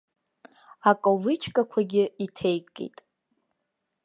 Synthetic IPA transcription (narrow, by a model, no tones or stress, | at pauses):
akʼovɨt͡ʃʰkʼakʷʰaɡʲɪitʰejkʼḛjtʼ